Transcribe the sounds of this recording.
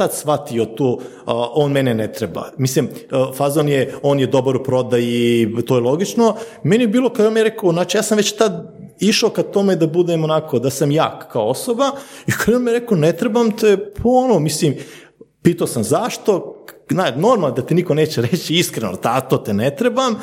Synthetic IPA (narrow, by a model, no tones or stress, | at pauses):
t̪ad̪sʋat̪ijot̪uː | ʔoːnmɛnenɛt̪ɾeba̰mislimfazonjeo̞ːnjed̪o̞baɾupɾo̞d̪ajit̪ojelˠo̞ɡit͡ʃnomenijebiːlˠo̞kajonmjeɾekoonaːt͡ʃijaːsamʋet͡ɕt̪ad̪ | iʃokat̪omed̪abud̪emonakod̪asamjaːkkaoosobaikʰad̪onmijeɾekonet̪ɾebamt̪epʰoonomislim | piːt̪aosamzaʃt̪o̞nanoɾmalnd̪at̪eniko̞neːt͡ɕeɾet͡ɕiiskɾenoa̰lt̪aːt̪ot̪enet̪ɾebam